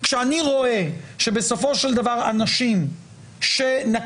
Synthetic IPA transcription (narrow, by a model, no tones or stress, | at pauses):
kʃeaniʁo̞e̞ʃebe̞so̞fo̞ʃeld̪avaʁanaʃim | ʃena